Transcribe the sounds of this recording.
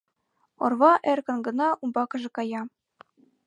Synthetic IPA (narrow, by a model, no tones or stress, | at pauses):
o̰rβɑʔerkɤ̆nɡɤ̆nɑʔumbɑkɤ̆ʒɤ̆kɑjɑ